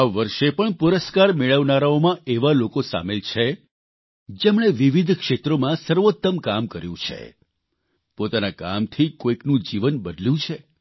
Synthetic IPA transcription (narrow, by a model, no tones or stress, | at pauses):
aʋəɾʃepəɳpuɾəskaɾmeɭəʋnaɾaomãeʋalokosa̰melt͡ʃʰe | d͡ʒemɳ̃eʋiʋid̪ʱkʃet̪ɾomãsəɾʋot̪ːəmkamkəɾjṵ̃t͡ʃʰḛ | pot̪anaka̰mt̪ʰikoiknũd͡ʒiʋənbəd̪ljũt͡ʃʰe